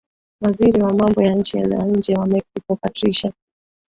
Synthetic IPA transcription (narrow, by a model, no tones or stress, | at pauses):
waziɾiwamambɔjaɲ̩t͡ʃiɛ̰l̰wa̰ɲ̩d͡ʒɛwamɛksikɔpatɾiʃa